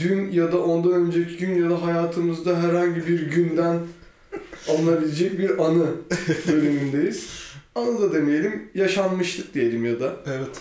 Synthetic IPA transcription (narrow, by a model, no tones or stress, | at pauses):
d̪ynjad̪aʔo̞nd̪aø̞nd͡ʒɛcʰiɟynjad̪aɦajaːt̪ʰɯmɯzd̪aɦæɾhaɲɟibiɾɟynd̪æn | alˠɯnˠabilʲed͡ʒɛc̚biɾanɯbø̞lymynd̪e̞jiz̥anɯd̪ad̪e̞mijelʲimjaʃanmɯʃt̪ʰˠɯk̚d̪ije̞lʲimjad̪aevɛt̪